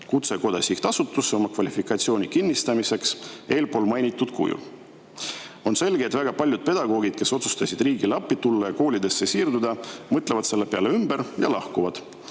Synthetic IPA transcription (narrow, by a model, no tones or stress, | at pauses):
kut̪se̞ko̞d̪̥ɑsikt̪ɑsut̪ːˑusːeo̞mɑkvɑlʲifikːˑɑt̪sio̞ːnikinʲːist̪ɑmise̞kse̞ːlpo̞ːlmɑjnʲit̪ːˑud̪̥kʰṵjṵ | o̞nse̞lɡ̥eet̪væɡ̥ɑpɑlʲjud̪̚pe̞d̪̥ɑɡ̥o̞ːɡid̪̥ke̞so̞t̪su̥st̪ɑsid̪riːɡilɑpːˑit̪ulːɑjɑko̞ːlʲid̪e̞sːe̞siːrd̪ud̪ɑmɤt̪levɑd̪se̞lːe̞pe̞ɑleymbe̞ɾjɑ̰lɑhkuvɑd̪̥